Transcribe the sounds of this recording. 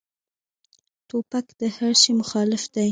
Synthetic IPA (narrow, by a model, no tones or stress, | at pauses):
t̪opakd̪̥əhaɽʃimʊxɑlɪfd̪aj